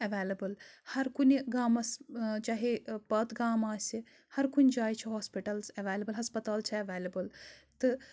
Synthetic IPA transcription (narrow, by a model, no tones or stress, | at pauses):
ɐʋeːlɐbɨlhɐɾkuniɡaːmɐst͡ʃaːɦepɐt̪ɡaːmaːsʲi | hɐɾkunʲd͡ʒaːjt͡ʃʰɐɦoːspiʈɐlsɐʋeːlɐbəlɦɐspɐt̪aːlt͡ʃʰɐɐʋeːlɐbəlt̪ɨ